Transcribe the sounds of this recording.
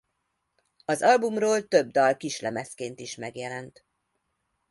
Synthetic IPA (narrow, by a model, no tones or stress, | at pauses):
ɒzɒlbumroːlt̪øb̚d̪ɒlkiʃlɛmɛskeːnt̪iʃmɛɡjɛlɛnt̪